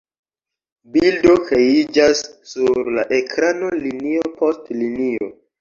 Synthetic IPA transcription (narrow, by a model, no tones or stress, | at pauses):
bildo̞kɾe̞id͡ʒasːuɾlaʔekʰɾano̞liniopʰostlinio̞̰